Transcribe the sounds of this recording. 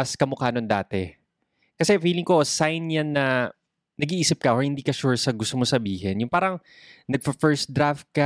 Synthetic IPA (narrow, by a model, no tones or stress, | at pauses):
ɐskɐmokaːnond̪a̰ːt̪ɛ | kɐsɛfiːlɪŋko̞sajnjanːɐ | nɐɡiʔiːsɪp̚kɐʔohɪnd̪iːkɐʃuɹsɐɡʊst̪omosɐbiːɦɛnjʊŋpaːɾɐŋ | nɐɡ̚fɐfɛɹsd̪ɾaft̪̚ka